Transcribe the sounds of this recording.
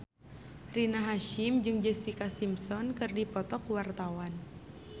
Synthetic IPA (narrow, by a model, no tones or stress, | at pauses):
rinaɦaʃimd͡ʒɨŋd͡ʒɛsikasimsɔnkɨrdipɔt̪ɔkwart̪awan